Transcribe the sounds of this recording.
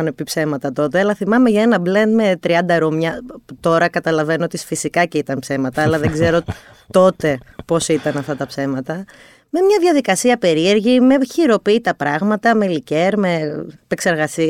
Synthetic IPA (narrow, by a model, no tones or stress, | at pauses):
ɐnopipse̞mɐt̪ɐt̪o̞t̪eɐlɐθimɐme̞ʝɐenɐblend̪me̞t̪ɾiɐnd̪ɐɾomɲɐt̪o̞ɾɐkɐt̪ɐlɐve̞noot̪isfisikɐceit̪ɐnpse̞mɐt̪ɐːlɐðeŋɡze̞ɾo̞ | t̪o̞t̪e̞po̞sit̪ɐnɐft̪ɐt̪ɐpse̞mɐt̪ɐ | me̞mɲɐðjɐðikɐsiɐpe̞ɾie̞ɾʝime̞çiɾo̞piit̪ɐpɾɐɣmɐt̪ɐmelice̞ɾme̞pekse̞ɾɣɐsi